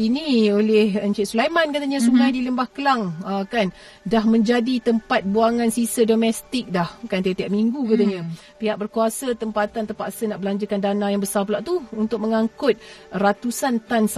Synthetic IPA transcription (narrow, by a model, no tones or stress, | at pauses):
iniolɛhəɲt͡ʃɪt̪̚sulajmãnkat̪aɲãsuɡajdiləmbahkəlaŋəkan | daɦmə̃ɲd͡ʒadit̪əmpat̪̚buaŋãnsisədomɛst̪ɪk̚dahkant̪et̪iaʔmiŋɡukat̪aɲã | piɦaʔ̚bərkuasat̪əmpat̪ant̪əpaʔsənaʔbəlaɲd͡ʒəkandanãjaŋbəsarpəlaʔt̪uunt̪ʊk̚məŋaŋkʊt̪̚rat̪usant̪ans